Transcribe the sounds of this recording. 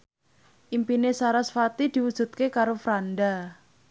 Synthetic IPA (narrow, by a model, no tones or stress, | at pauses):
ʔimpinesaɾasfat̪id̪̥iwud̥ʒ̥ṳt̪̚kekaɾofɾanɖa